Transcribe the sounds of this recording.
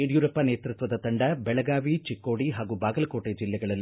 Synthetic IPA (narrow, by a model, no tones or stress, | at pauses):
eːɽjuːɾɐpːɐneːt̪ɾɨt̪ʋɐd̪ɐt̪ɐɳɖɐbɛɭɐɡaːʋit͡ʃikːoːɽiɦaːɡubaːɡɐlɐkoːʈːeːd͡ʒilːɛɡɐɭɐl